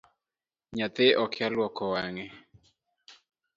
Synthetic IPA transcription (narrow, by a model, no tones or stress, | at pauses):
ɲat̪ɪʔɔkʰjalwɔkɔwaŋe